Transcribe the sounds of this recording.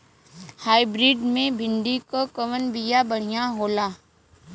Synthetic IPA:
haːɪbɾiːɖmẽbʱɪ̃nɖ̪ikokɐʋənbijabɐɽ̤ijaɦoːlaː

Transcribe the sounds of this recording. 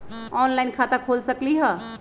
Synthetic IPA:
ɔnlaɪnkʰat̪akʰolsəkliɦə

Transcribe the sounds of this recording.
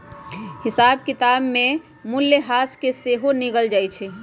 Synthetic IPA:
hɪsaːbkɪt̪aːbmẽ | mʊljəɦaːskeseɦoniɡəld͡ʒaːjt͡ʃʰɛ

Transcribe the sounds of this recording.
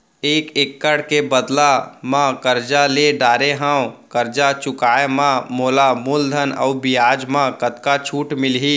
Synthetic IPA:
eːkekːəɽkebəd̪lamãkəɾd͡ʒaleɖaːɾeɦãw̃kəɾd͡ʒat͡ʃʊkaːemãmoːlamuld̪ʱənə̰ubɪjaːd͡ʒmãkət̪kat͡ʃʰuːʈmɪlɦiː

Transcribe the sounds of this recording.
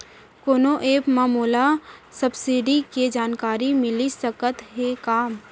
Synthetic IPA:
koːnoʔeːpmaːmuːlasɐbsiːɖiked͡ʒaːnkaːɾimɪlisəkət̪ɦekaːm

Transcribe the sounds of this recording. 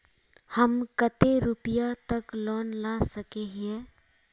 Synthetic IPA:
hɐmkət̪eɾʊpɪjat̪ɐklɔːnlaːsɐkeɦɛː

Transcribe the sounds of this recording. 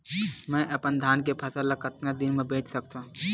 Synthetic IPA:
mɛ̃ʔəpənd̪ʱaːnkepʰɐt̪əɾləkət̪nad̪ɪnmẽbeːt͡ʃsəkt̪a

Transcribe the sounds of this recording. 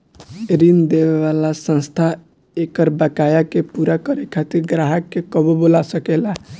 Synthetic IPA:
ɾind̪eʋeʋalasə̃nst̪ʰa | ekəɾbakajakepuɾakəɾekʰat̪iɾɡɾaɦəkːekəbobolasəkela

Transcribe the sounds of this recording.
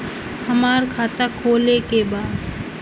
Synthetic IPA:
hɐmaːɾkʰaːt̪akʰoːlekebaːd̪

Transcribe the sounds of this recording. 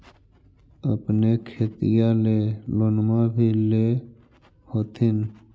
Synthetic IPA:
əpnekʰeːt̪ijaleloːnmabʱile | hoːt̪ʰɪn

